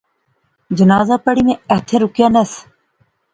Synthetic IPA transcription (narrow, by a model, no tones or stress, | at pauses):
d͡ʒənaːzaːpəɽiːmẽɐɦt̪ʰẽːɾʊkjaːnəs